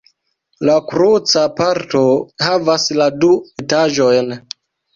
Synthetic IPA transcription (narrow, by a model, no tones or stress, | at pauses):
lakɾut͡sapaɾto̞havasladuetaʒo̞jn